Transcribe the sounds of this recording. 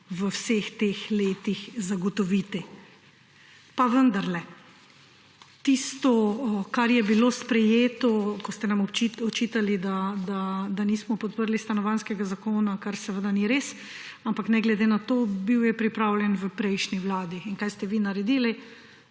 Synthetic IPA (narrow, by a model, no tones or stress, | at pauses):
ʋəwsext̪exleːt̪ixzaɡɔt̪ɔʋit̪i | paʋənd̪aɾlɛ | t̪ist̪ɔkaɾjɛbiloːspɾɛjeːt̪ɔkɔst̪ɛnamɔt͡ʃiɔt͡ʃit̪alid̪ad̪ad̪anismɔpɔt̪̚pəɾlist̪anɔʋanskɛɡazakoːnakaɾsɛʋəd̪aniɾeːs | ampaknɛɡlɛd̪enat̪oːbiwjɛpɾipɾawljɛnʋəpɾɛjʃniwlaːd̪iinkajst̪ɛʋinaɾɛd̪iːli